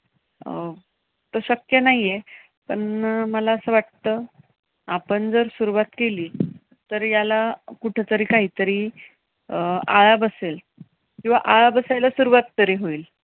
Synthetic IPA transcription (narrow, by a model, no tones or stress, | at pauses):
t̪oɕəkjənaɦije | pəɳməlaəsəʋaʈt̪əː | apəɳd͡zəɾsuɾuʋat̪keliː | t̪əɾjalakuʈʰet̪əɾiːkaɦiːt̪əɾiː | əa̰ɭabəsel | kĩw̃ʋa̰ʔaɭabəsajlasuɾuʋat̪ːəɾiːɦoiːl